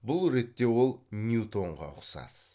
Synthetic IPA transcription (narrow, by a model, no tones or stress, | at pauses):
bʊlˠɾe̞t̪ːe̞wo̞lˠnjut̪o̞ɴʁɑ̰ʊqsɑ̰s